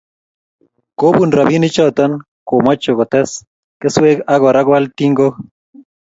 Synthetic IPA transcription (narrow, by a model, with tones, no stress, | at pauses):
ko˦bu˨nɾa˨bi˦ni˦t͡ʃɔ˦t̪ɔ˦n | ko˨mɔ˦t͡ʃːo˨kɔ˨t̪ɛ˦s | ke˦swe˦ka˦ɡɔ˨ɾa˦ɡwa˦lt̪i˦ŋɡo˦